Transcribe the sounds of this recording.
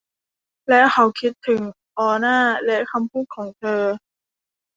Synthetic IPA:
lɛ˦˥wkʰa˧˩wkʰi˦˥t̪ʰːɯ˩˦ŋ | ʔɔː˧naː˥˩lɛ˦˥ʔkʰa˧mpʰuː˥˩t̪̚kʰɔː˩˦ŋt̪ʰɤː˧

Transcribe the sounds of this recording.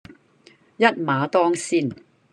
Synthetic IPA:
jɐ˥t̚maː˨˧t̪ɔː˥ŋsiː˥˩n

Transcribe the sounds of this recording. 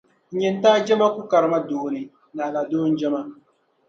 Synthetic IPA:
ɲɪ˨n˦taː˦d͡ʒɛ˦ma˦ku˦ka˨ɾma˦doː˨ni˨ | na˨la˨doː˦n˦d͡ʒɛ˦ma˦

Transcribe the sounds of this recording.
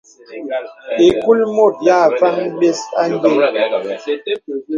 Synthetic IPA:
e˨ku˦lmo˦˨t̚ja˦˨fa˦ŋ˦ɓe˦sa˦n˦de˦

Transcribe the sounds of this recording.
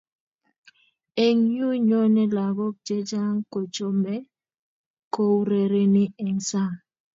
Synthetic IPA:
e˨ŋɲu˦ɲo˦nɛ˦la˨ɡɔ˦k̚d͡ʒe˦d͡ʒa˦ŋko˨t͡ʃo˦mɛ˦ | ko˦wɾe˨ɾe˦nɪ˦ɛ˨ŋsa˦˨ŋ

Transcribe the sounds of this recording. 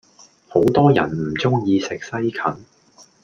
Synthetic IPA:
ho˨˥wt̪ɔː˥jɐ̰˨˩nm̩˨˩t͡sʊ˥ŋjiː˧sɪ˨k̚sɐ˥jkʰɐ˨˥n

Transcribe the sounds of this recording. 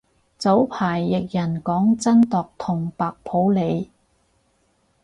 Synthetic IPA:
t͡so˨˥wpʰaː˨˩jːɪ˨k̚jɐ˨˩nkɔː˨˥ŋt͡sɐ˥nt̪ɔː˨k̚t̪ʰʊ˨˩ŋpaː˨k̚pʰo˨˥wle˨˧j

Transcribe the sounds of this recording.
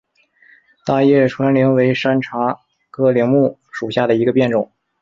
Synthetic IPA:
t̪a˥˧jɛ˥˩ʈ͡ʂʰwa˧˥nli˧˥ŋwe˧˥ɪʂa˥nʈ͡ʂʰa˧˥ | kʰɤ˥li˧˥ŋmu˥˩ʂu˨˩ɕja˥˩d̪ə˩i˧˥ɡə˧pjɛ˥˩nʈ͡ʂʊ˨˩˦ŋ

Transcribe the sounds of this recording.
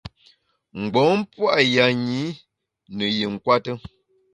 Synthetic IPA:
ŋ͡m̩˨ɡ͡bɔ˨˦m˦pwa˦ʔja˨ɲi˨˦ | nə˨je˨ŋ̩˨kwa˦tə˦

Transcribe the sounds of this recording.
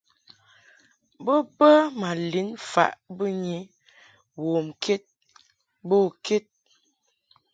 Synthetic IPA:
bə˦bə˦ma˨li˨˦nfa̰˨ʔbə˦ɲi˨˦ | woː˨mkʰe˦t̚ | bo˦˨kʰe˦t̚

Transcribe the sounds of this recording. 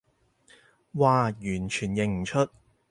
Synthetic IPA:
waː˨˧jyː˨˩nt͡ʃʰyː˨˩njɪ˨˩ŋm̩˨˩t͡ʃʰɵ˥t̚

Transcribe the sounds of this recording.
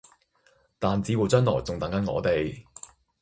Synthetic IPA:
t̪aː˨nt͡siː˨˧wu˨wt͡sœː˥nlɔː˨˩jt͡sʊ˨ŋt̪ɐ˨˥ŋkɐ˨˥nŋɔ̰ː˨˧t̪e˨j

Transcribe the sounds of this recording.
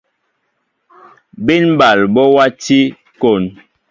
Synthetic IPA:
bi˦nba˨lbɔ˦wa˦ti˦ | ko˨n

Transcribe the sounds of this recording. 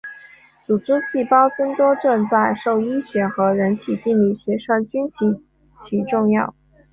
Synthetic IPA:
t͡su˨˩ʈ͡ʂ̩˥t͡ɕi˥˩pɑ˥ʊt͡sə˥ŋt̪wɔ˥ʈ͡ʂə˥˧nt͡sa˥˧ɪʂo˥˩ʊi˥ɕɥɛ˧˩xɤ˧˥ɻə˧˥nt̪ʰi˨˩t̪i˥˧li˥˩ɕɥɛ˧˥ʂa˥nt͡ɕy˥nt͡ɕʰi˧˥ | t͡ɕʰi˧˥ʈ͡ʂʊ˥˧ŋjɑ˥˩ʊ

